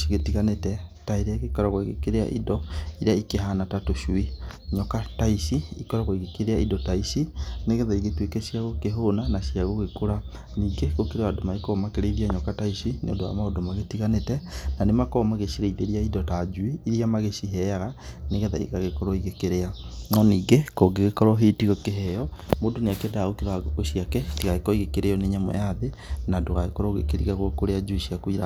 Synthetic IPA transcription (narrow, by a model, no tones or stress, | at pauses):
iɣetiɣanetɛtaiɾeɣekɔɾaɣwaiɣḛkeɾea̰ʔidɔiɾeaikeɦanatatoʃuiɲɔkataiʃiikɔɾaɣoiɣekeɾeaidɔtaisineɣɛðaiɣetwekɛʃjaɣokeɦonanaʃjaɣoɣekoɾa | niːɡeɣokeɾeadomaikɔmakeɾeiðiaɲɔkataisinḛo̰ndoa̰maodomaɣetiɣanetɛnanemakɔmaɣeʃiɾeiðeɾiaidɔtad͡ʒwiiɾiamaɣeʃiɦɛaɣaneɣɛðaḭɣaɣekɔɾɔiɣekeɾeanɔniːɡekɔɡeɣekɔɾɔɦetiɣɔkeɦɛjɔmodoneakɛdaɣokeɾaɣoʃiakɛtiɣaɣekɔiɣekeɾejɔneɲamwɛ̰jaðenadoɣaɣekɔɾɔɣḛkeɾiɣaɣokoɾead͡ʒuiʃiakuiɾa